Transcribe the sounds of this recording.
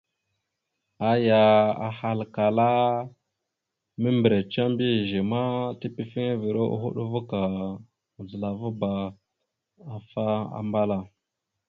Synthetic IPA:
a˦ja˨a̰˨ha˨lka˨la˦ | mə˦mbɾe˨t͡ʃa˦mbi˦˨ʒi˨ma˦ti˦pi˦fi˦ŋa˦vi˨ɾo˦ʔṵ˦ɦṵ˦ɗu˦vu˦ka˨ | zə˨la˨vu˦ba˨ | a˨fa˦a̰˨mba˦la˦

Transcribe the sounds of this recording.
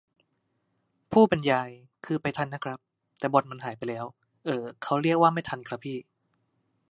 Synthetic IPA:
pʰuː˥˩pe˧njaː˧j | kʰɯː˧pa˧jt̪ʰa˧nːa˦˥kʰɾa˦˥p̚ | t̪ɛː˨˩bo˨˩t̪̚ma˧nɦaː˩˦jpa˧jlɛː˦˥w | ʔɤː˧kʰa˦˥wɾi˥˩ək̚waː˥˩ma˥˩jt̪ʰa˧nkʰɾa˦˥pʰːiː˥˩

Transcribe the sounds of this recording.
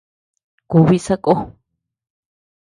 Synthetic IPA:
ku˧βi˦sa˦kʼo˦

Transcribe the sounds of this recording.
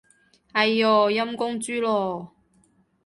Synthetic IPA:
hɐ˨jɔː˨˩jɐ˥mkʊ˥ŋt͡syː˥lɔː˨˩

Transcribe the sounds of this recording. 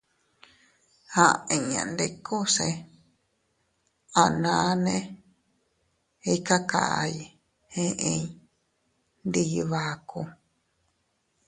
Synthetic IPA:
hã˧ẽ˧˨ɲã̰˨nd̪e˧kʰo˦se˧ | a˨nã˧˨˦nẽ˦ | i˦ka˦ka̰˧˨ʔa̰˧ji˧ | hẽ˦ʔẽ˧ | nd̪i˧βa˧ku˧

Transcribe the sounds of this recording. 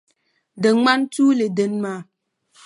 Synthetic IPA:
də˨ŋ͡ma˦n˦tu˦le˨də˨nma˨˦˨

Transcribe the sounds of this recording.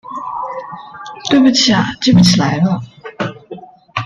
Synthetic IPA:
t̪we˥˩ɪpu˨˩t͡ɕʰi˨˩a˩t̪we˥˩bu˨˩t͡ɕʰi˨˩la˧˥ɪlə˥˨

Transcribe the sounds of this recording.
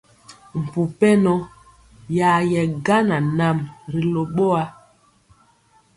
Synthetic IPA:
m̩˨pu˨pɛ˦nɔ˦ | ja˨jɛ˨ɡa˦na˨na˦˨mɾi˨lo˨ɓo˦a˦

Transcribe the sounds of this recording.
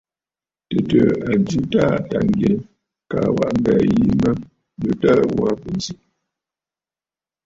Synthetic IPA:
tə˨tə˨a˨d͡ʒu˦ta˦˨ta˨ŋ˨ɡje˨ | ka˨wa˦˨ʔm̩˦ba˨ji˦mə˦ | lə˨ta˦wa˦pə˨n˨zi˦ʔ

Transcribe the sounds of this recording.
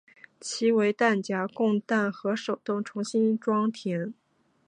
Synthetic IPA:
t͡ɕʰi˧˥we˧˥ɪt̪a˥˩nt͡ɕja˧˥kʊ˥˧ŋt̪a˥˩nxɤ˧˥ʂo˨˩ʊt̪ʊ˥˩ŋʈ͡ʂʰʊ˧˥ŋɕi˥nʈ͡ʂwɑ˥ŋt̪ʰjɛ˧˥n

